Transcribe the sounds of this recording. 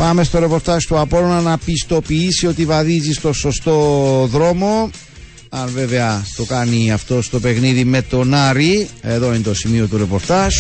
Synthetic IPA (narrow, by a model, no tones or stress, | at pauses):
pɐme̞st̪o̞ɾe̞po̞ɾt̪ɐʒt̪uɐpo̞nonɐnɐpist̪o̞piisio̞t̪ivɐðizist̪o̞so̞st̪o̞ðɾo̞mo̞ | ɐnve̞ve̞ɐt̪o̞kɐniɐft̪o̞st̪o̞pe̞ɣniðime̞t̪o̞nɐɾie̞ðo̞int̪o̞simio̞t̪uɾe̞po̞ɾt̪ɐʒ